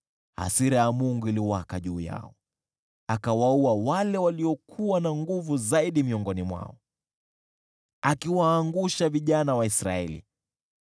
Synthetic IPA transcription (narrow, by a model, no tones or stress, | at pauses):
ha̰siɾajamuŋɡuiliwakaʄuːja̰ɔ̰ | akawauawalɛwaliɔkʰuwanaŋɡuvuzaiɗimiɔŋɡɔnimwa̰ɔ | akiwaːŋɡuʃaviʄanawaisɾaɛlḭ